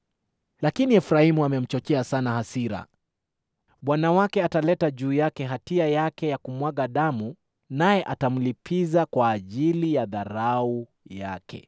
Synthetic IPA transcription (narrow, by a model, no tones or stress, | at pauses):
lakiniɛfuɾahimuamɛm̩t͡ʃɔt͡ʃɛasanahasiɾa̰ | ɓwanawakɛatalɛtaʄuːjakɛɦatiajakɛjakumwaɠaɗamu | najɛʔatam̩lipʰizakwaːʄilijaðaɾau | jakʰɛ̰